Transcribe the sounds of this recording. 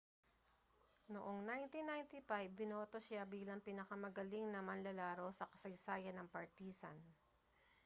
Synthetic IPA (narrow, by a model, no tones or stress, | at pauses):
noʔoŋnajnt̪inajnt̪ɪfajbːɪno̞ːt̪oʃabiːlɐŋpinɐkɐmɐɡɐliŋnɐmɐnlɐlaːɾo̞wsɐkɐ̥sɐjsaːjɐnɐŋpɐɹt̪iːsɐ̰n